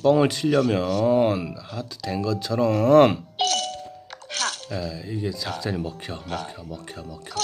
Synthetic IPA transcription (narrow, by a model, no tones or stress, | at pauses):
p͈ʌŋɯɭt͡ɕʰiʎːʌmjʌnhatʰɯ̥de̞nɡʌt͡ɕʰʌɾʌm | jeiɡe̞t͡ɕak̚t͡ɕ͈ʌɲimʌkʰjʌmʌkʰjʌmʌkʰjʌmʌkʰjʌ